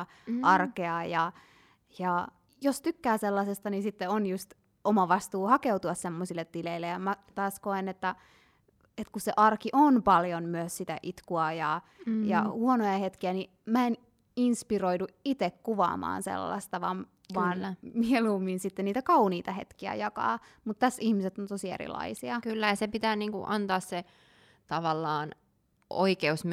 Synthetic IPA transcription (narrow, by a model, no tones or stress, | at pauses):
ɑrkeɑjɑ | jɑ | jost̪ykːæːselːɑsest̪ɑninsit̪ːeonjust̪ | omɑʋɑst̪uːhɑkeut̪uɑssemːosilːet̪ːileilːejɑmæt̪ɑːskoenet̪ːæ | et̪kusseʔɑrkiʔonpɑljonmyøssit̪æ̰ʔit̪kuɑjɑjɑ̰huonojɑhet̪kiæni | mæen | inspiroiduit̪ekkuʋɑ̰ːmɑ̰ːnsḛlːɑ̰st̪ɑʋɑn | ʋɑːnmiɛluːmːinsit̪ːenniːt̪ækɑuniːt̪ɑhḛt̪kiæ̰jɑkɑ̰ːmut̪t̪æsihmiset̪ːont̪osiḛrḭlɑ̰isiɑkylːæjɑsepit̪æːniːŋkṵʔɑnt̪ɑːsse | t̪ɑʋɑlːɑːn | ʔo̰ikeusm